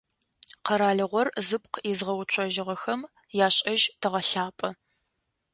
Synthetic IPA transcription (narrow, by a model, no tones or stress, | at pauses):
qɐɾaːɮɨʁʷɔrzɨp̚ʼqəizʁɐwt͡ʃʷʰʼɔʒɪʁɐxɐm | jaːɕʼɐʒtʰɨʁɐɬaːpʼɐ